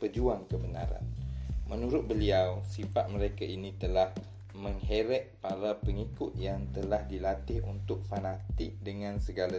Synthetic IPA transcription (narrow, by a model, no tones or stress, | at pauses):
pəd͡ʒuaŋkəbəna̰ɾa̰nmənuɾʊt̪̚bəliawsifat̪̚məɾekaʔinit̪əlah | məŋɦeɾɛʔ̚paɾapəŋikʊt̪̚jaŋt̪əlahdilat̪ɪhṵnt̪ʊk̚fanat̪ɪk̚dəŋãnsəɡala